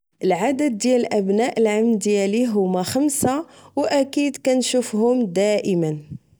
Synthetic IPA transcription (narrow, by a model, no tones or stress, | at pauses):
ʔəlʕad̪əd̪̚ːjæləlʔæbnæʔəlʕamnd̪jæliɦʊmːæxəmsawʔækid̪kænʃufhʊmd̪æʔəmən